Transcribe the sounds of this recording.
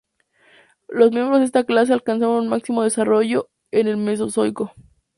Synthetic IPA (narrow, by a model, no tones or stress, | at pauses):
lo̞zmje̞mbɾozðest̪aklas̬e̞alkans̬aβonunmaksimo̞ðe̞saro̞ʝo̞ | ene̞lme̞s̬o̞so̞jko̞